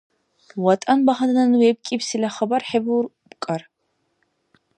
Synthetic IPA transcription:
wɐtʼɐnbɐχɐdɐnɐnweːp̚kʼiːpsilɐχɐbɐrħebur | bkʼɐr

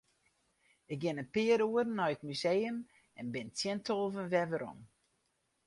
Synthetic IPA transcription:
ɪk̚ɡɪnənpɪəɾuədən̩ːɔjəkmyzejəm | ɛnbɪntjɛntʰolˠvənʋɛʋəɾɔ̰m

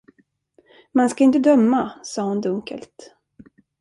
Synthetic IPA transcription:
manskaɪnt̪əd̪œmːasɑːhʊnd̪ɵŋkə̰lt̪

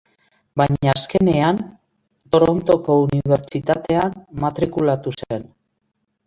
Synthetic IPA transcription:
baɲaːske̞ne̞an | t̪o̞ɾont̪o̞ko̞uniβe̞ɾt͡ʃit̪at̪e̞anmat̪ɾikulat̪usen

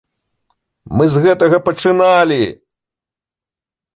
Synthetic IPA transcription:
mɨzɣɛt̪ɐɣɐpɐt͡ʂɨnalʲi

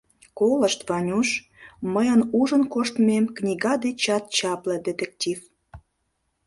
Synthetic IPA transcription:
koləʃt̪vɑnʲuʃ | məjənuʒə̆nkoʃt̪memknʲiɣɑd̪et͡ɕɑt̪̚t͡ɕɑplĕd̪et̪ek̚tʲif

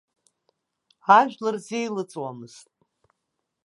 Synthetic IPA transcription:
aʒᶣlarzejlɨt͡sʼwamɨz̥tʼ

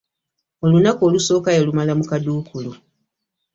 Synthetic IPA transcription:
o̞lunako̞ːluso̞ːkajelumalamukaduːkʰulu

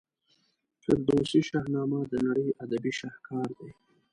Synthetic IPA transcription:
kəɾd̪osiʃɑhnɑmad̪ənaɽəjad̪abiʃɑhkɑɾd̪ej

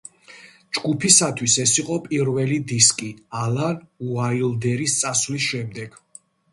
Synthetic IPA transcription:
d͡ʒɡupʰisat̪ʰwisɛsiqʼɔpʼiɾvɛlid̪iskʼialanuailˠd̪ɛɾist̪sʼasvlisʃɛmd̪ɛɡ̥

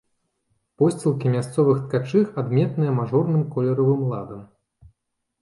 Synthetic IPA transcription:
pɔsʲt͡sʲilˠkʲimʲast̪sɔvɨxt̪kat͡ʂɨxad̪mʲɛt̪nɨjɛmaʐɔrnɨmkɔlʲɛɾɐvɨmlˠa̰d̪ɐm

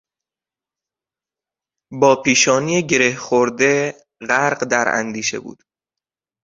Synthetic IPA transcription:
bɒːpʰiːʃɒːniːjeɟe̞ɾehxoɾd̪e | ɢæɾɢd̪æɾæ̰nd̪iːʃḛbṵːd̪̥

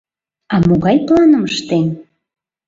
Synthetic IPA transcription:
ɑmoɣɑjplɑnəməʃt̪en

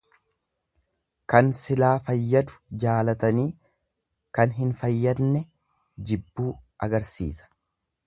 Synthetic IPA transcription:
kɐnsɪlaːfɐjːɐd̪ʊ̥d͡ʒaːlɐt̪ɐniː | kɐnɦɪnfɐjːɐd̪nɛ | d͡ʒɪbːuːʔɐɡɐɾsḭːsɐ̥

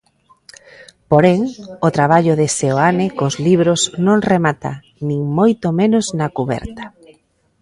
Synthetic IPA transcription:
poɾeŋot̪ɾaβ̞aʎʊðeseoanekozliβɾoznõŋremat̪a̰ | nĩŋmojt̪omẽnʊznakuβɛ̰ɾt̪ḁ

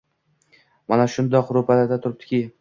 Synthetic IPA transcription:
manaʃʊnd̪ɒqɾʊpʰalaɾd̪at̪ʰʊɾɪp̚t̪ɪ̥kʲi

